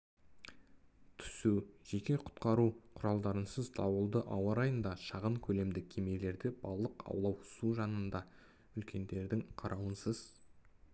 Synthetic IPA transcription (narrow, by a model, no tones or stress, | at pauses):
t̪ʰʏ̥suʒe̞kʲe̞qʰʊ̥t̪qɑɾuqʰʊɾɑlˠd̪ɑɾənsəzt̪ʰɑwəlˠd̪əʔɑwɑɾɑjənd̪ɑʃɑʁəɴkʲʰɵle̞md̪ɪkʲʰeme̞le̞ɾd̪ɪbɑ̰llˠəqɑ̰wlˠɑwsuʒɑnənd̪ɑ | ʏlkʲʰe̞nd̪e̞ɾd̪ɪŋqʰɑɾʔɑwənsəz